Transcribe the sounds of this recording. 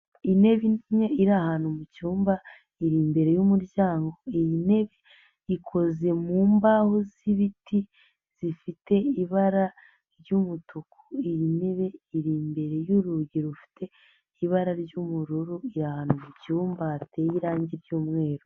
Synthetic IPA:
ine̞βiɲeiɾahanumucuːmba | iɾiːmbe̞ɾe̞jumuɾɟaːŋɡo̞ijine̞βe | ikʰo̞ze̞muːmbahoziβitʰi | z̥ifite̞iβaɾa | ɾɟumutʰukʰu̥ijine̞βe̞iɾiːmbe̞ɾe̞juɾuɟiɾufi̥tʰe̞ | iβaɾaɾɟumuɾuɾuiɾahanumucuːmbatejiɾaːɲɟiɾɟuːmŋe̞ːɾo

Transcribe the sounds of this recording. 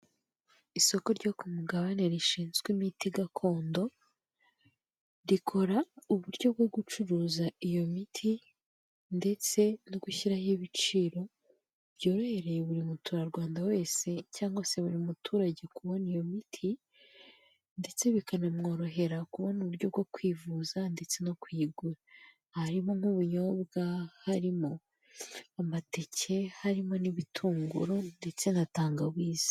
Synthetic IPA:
iso̞ko̞ɾɟo̞kumuɡaβaneɾiʃiːnzɡwimitiɡakʰo̞ːndo̞ | ɾikʰo̞ɾauβuɾɟo̞b̚ɡo̞ɡut͡ʃuɾuːzaijo̞mitʰi | nde̞t͡se̞noɡuçiɾahiβit͡ʃiːɾo̞ | bɟo̞ːɾo̞he̞ɾe̞jeβuɾimutʰuɾaɾɡwaːndawe̞ːse̞caːŋɡose̞βuɾimutʰuːɾaɟe̞kuβo̞nijo̞mitʰi | nde̞t͡se̞βikanamŋo̞ːɾo̞ɦe̞ɾakuβo̞nuβuɾɟo̞bɡokwiːvuːzande̞t͡se̞no̞kwiːɡuɾa | haɾimo̞ŋuβuɲoβbɡahaɾimo̞ | amate̞cʰe̞haɾimo̞niβitʰuːŋɡṵɾo̞nde̞t͡se̞nataːŋɡaβwiːz̥i̥

